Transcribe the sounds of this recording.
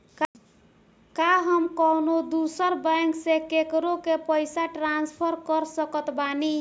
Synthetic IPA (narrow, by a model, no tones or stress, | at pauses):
k | kaɦəmkɔwnod̪usəɾbaŋksekekɾokepəjsaʈɾanspʰəɾkəɾsəkət̪bani